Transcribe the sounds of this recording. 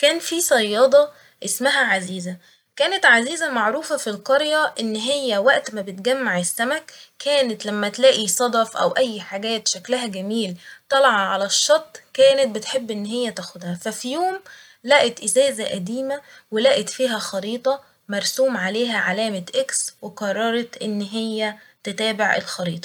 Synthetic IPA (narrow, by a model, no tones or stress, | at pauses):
kæːnfisˤɑjːɑd̪ˤɑ | ʔesmæɦæʕaziːzæ | kæːnet̪ʕaziːzæmɑʕɾuːfɑfilqɑɾjæʔenːɦejːæwæʔt̪mæbet̪ɡæmːaʕesːæmækʰːæːnet̪læmːæt̪læːʔisˤɑd̪ˤɑfʔæ̰wʔæjːħaɡæːt̪ʃæklæɦæɡæmiːlt̪ˤɑlɑʕɑʕalæʃːɑt̪ˤːkæːnet̪̚bet̪ħebːʔenːɦejːæt̪æxʊd̪hæfæfijoːm | læːʔæt̪ʔɪzæːzæʔæd̪iːmæwelæːʔet̪fiːɦæxɑɾiːt̪ˤɑ | mɑɾˤsuːmʕaleːɦæʕalæːmæʔeksweqɑrˤːɑɾˤɑt̪ʔenːɦejːæ | t̪et̪æːbeʕʔḛlxɑɾiːt̪ˤɑ̥